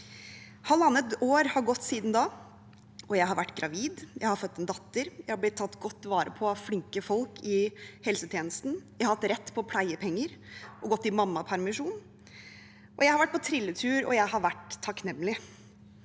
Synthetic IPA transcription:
hɑlɑnət̪oːɾhɑɾɡɔt̪ːsiːd̪n̩d̪ɑː | ɔjæɪɦɑɾʋæʈːɡɾɑʋiːd̪jæɪhɑɾfœt̪ːɛnd̪ɑt̪ːəɾjæɪhɑɾb̪ɪt̪ʰːɑt̪ːɡɔt̪ːʋɑːɾə̰pʰɔɑflɪŋkəfɔlkʰɪhɛlsət̪ʰjeːnəst̪n̩jæhɑɾhɑt̪ːɾɛt̪ːpʰɔpʰlæɪəpʰɛŋːəɾʔɔɡɔt̪ːɪmɑmːɑpʰæɾmɪʂuːn | ʔɔjæɪhɑɾʋæʈ̚ːpʰɔt̪ʰɾɪlːət̪ʰʉːɾɔ̰jæɪhɑɾʋæʈt̪ʰːɑknɛmːlɪ

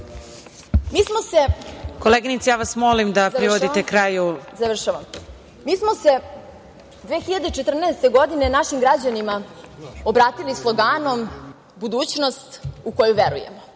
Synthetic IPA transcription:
miːsmo̞se̞koleːɡinit̪sijaːʋasmolimd̪apɾiʋod̪it̪ekɾajuzaʋr̩ʃaʋam | miːsmose̞ | d̪ʋeːxiʎad̪et͡ʃet̪r̩nɛːst̪e̞ɡo̞d̪ine̞naʃimɡɾad͡ʑanimaobɾaːt̪ilislˠoɡaːno̞m | bud̪uːt͡ɕno̞st̪uko̞juʋeɾṵjḛmo

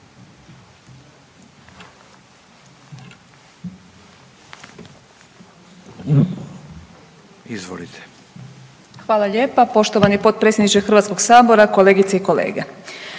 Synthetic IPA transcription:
izʋo̰lit̪ʰe̥ | xʋaːlaʎe̞ːpapo̞ʃt̪oʋanipo̞t̪̚pɾetsʲjed̪nit͡ʃexɾr̩ʋat̪sko̞ɡsaːbo̞ɾako̞le̞ːɡit̪seiko̞lḛːɡe

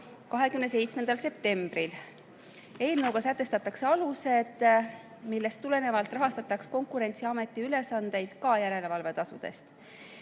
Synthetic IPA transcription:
kɑɦe̞kymnes̬e̞jt̪sme̞nd̪̥ɑlse̞p̚t̪e̞mb̥ril | e̞ːlnɤwɡɑsæt̪ːˑe̞st̪ɑt̪ːˑɑkseɑluse̞d̪̥ | milːe̞st̪ːule̞ne̞vɑlt̪ˑrɑɦɑst̪ɑt̪ːˑɑksko̞ŋkuɾe̞nʲt̪siɑme̞t̪ːˑiyle̞sɑnd̪̥e̞jd̪̥kɑjæɾe̞le̞vɑlve̞t̪ɑsud̪̥e̞̰st̪

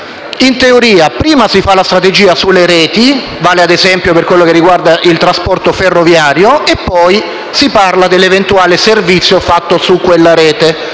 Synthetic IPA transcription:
int̪eoɾiːapɾiːmasifalast̪ɾat̪ed͡ʒiːasulːeɾɛːt̪i | vaːlead̪ezɛmpjoperkwelːokerːiɡward̪aʔilt̪ɾaspɔrt̪oferːovjaːɾjoepːɔj | siparlad̪elːevent̪uaːleservit̪sːjofat̪ːosukːwelːaɾɛːt̪e

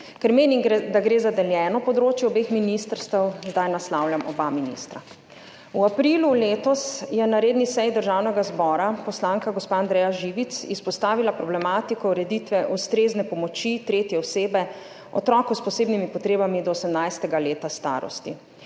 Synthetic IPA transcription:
kɛɾmeːnimd̪aɡɾeːzad̪ɛljɛːnɔpɔd̪ɾoːt͡ʃjɛɔbeːxminist̪əɾst̪ɛwzd̪ajnaslawljamɔbaminḭst̪ɾa̰ | uapɾiluleːt̪ɔsjɛnaɾeːd̪nisɛjd̪əɾʒaːwnɛɡazbɔːɾapɔslaŋkaɡɔspaːnd̪ɾɛjaʒiːʋit̪sispɔst̪aːʋilapɾɔblɛmaːt̪ikɔuɾɛd̪it̪ʋɛʔust̪ɾeːznɛpɔmɔt͡ʃit̪ɾeːt̪jɛɔseːbɛ | ɔ̰t̪ɾɔːkɔspɔseːbnimipɔt̪ɾeːbamid̪ɔːsɛmnajst̪ɛɡaleːt̪ast̪a̰ːɾɔ̰st̪ḭ

